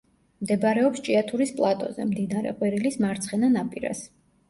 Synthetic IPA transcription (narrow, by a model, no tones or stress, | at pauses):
md̪ɛbaɾɛɔpst͡ʃʼiat̪ʰuɾispʼlˠat̪ʼɔ̰zɛ̰md̪inaɾɛ̰qʼwiɾilismaɾt̪sʰχɛnanapʼiɾa̰s